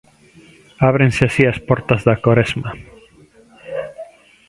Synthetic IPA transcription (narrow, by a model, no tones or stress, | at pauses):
aβɾẽnseasiaspɔɾt̪azðakoɾezma